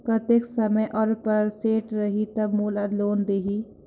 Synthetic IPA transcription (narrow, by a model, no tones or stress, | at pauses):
kɐt̪eksɐməjʔɔːɾpɐɾlseːʈɾɐɦit̪ɐbmuːlad̪loːnd̪eːɦiː